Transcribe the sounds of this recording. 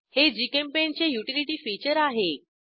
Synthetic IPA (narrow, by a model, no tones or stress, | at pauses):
hed͡ʑikempent͡ɕejuʈiliʈiːfit͡ɕəɾaɦe